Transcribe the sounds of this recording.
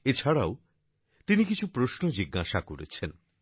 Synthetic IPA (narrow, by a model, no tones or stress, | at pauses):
et͡ɕʰaɽao | t̪inikit͡ɕʰupɾosnod͡ʑiɡːaʃakoɾḛt͡ɕʰen